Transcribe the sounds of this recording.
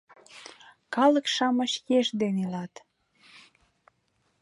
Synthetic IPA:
kɑlə̆kʃɑmə̆ʃjeʃd̪enilɑt̪

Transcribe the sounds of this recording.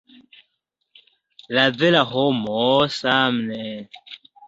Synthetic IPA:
lad͡zɛlaɦɔmɔsamnɛ

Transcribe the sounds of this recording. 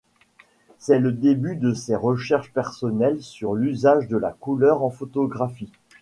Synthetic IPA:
sɛləd̪ebyd̪əseʁəʃɛʁʃpɛʁsɔnɛlsyʁlyzaʒd̪əla̰kulœʁɑ̃fot̪ɔɡʁafi

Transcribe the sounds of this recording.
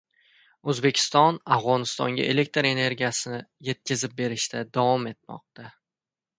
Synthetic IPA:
ɵzbe̞kʲʰɪ̥st̪ɒnafʁɒnɪst̪ɒŋɡʲa̰ʔe̞le̞k̚ʲt̪ɾe̞ne̞ɾɡʲijasɪnɪje̞t̪̚kʲɪzɪp̚be̞ɾɪʃt̪ʰad̪avɒme̞t̪̚mɒ̰q̚t̪a

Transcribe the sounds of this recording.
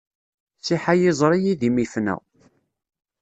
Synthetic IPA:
t͡sːiħajɪzˤɾˤijiðimifnæ̰

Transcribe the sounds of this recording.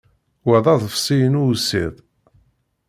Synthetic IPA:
wæðˤɑðˤəfsˤijənusiðˤ

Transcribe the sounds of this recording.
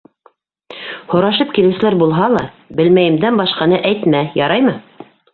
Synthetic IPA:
hŏɾɑʃɤpkilɘ̆wsɘ̆læɾbulˠɦɑlˠɑ | bɘ̆lmæjɘ̆md̪ænbɑʃqɑnɤʔæjt̪mæjɑɾɑjmɤ

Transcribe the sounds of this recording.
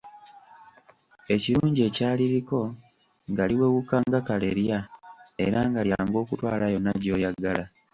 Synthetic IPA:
e̞ciɾuːɲɟie̞ːcaːliɾiko̞ | ŋɡaliwe̞wukaŋɡakale̞̰ɾjae̞̰ɾaŋɡaljaːŋɡo̞ːkutwa̰ːlajo̞nːaɟo̞ːjaɡala

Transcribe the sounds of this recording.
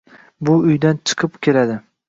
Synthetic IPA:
bʊʊjd̪ant͡ʃʰɨ̥qʰɨpkʲʰe̞lad̪ɪ

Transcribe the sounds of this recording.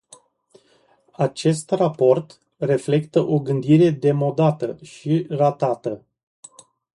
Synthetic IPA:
at͡ʃe̞st̪rapo̞rt̪ | re̞fle̞kt̪əʔo̞ɡɨnd̪iɾe̞d̪e̞mo̞d̪at̪əʃirat̪at̪ə

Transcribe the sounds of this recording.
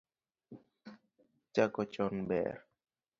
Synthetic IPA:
t͡ʃakɔt͡ʃɔnbɛ̰ɾ

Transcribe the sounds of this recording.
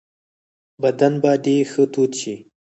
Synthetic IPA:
bad̪anbaɖexət̪ut̪ʃi

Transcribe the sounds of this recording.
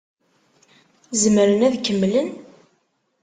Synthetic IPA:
zəmɾənæðkəmːlən

